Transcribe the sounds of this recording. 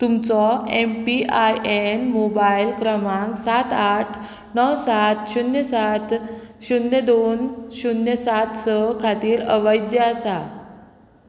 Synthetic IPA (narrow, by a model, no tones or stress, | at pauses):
t̪umt͡sɔempiajʔenmobajlkɾəmãŋksat̪aʈʰ | nəwsat̪ɕunjəsat̪ | ɕunːəd̪onɕunjəsat̪səkʰat̪iːɾə̰ʋəjd̪jəasa